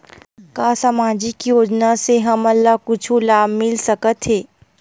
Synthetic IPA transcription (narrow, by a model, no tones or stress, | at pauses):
kaːsamaːd͡ʒikijoːd͡ʒnaseɦɐmɐlːakʊt͡ʃʰulaːbmɪlsɐkət̪ɦeː